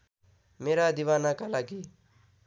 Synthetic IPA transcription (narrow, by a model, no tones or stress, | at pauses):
meɾad̪iwanakalaɡi